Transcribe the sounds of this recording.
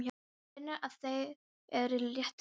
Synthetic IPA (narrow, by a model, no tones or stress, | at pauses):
j | nːɪʔaðθej | ɛɾɪljɪht̪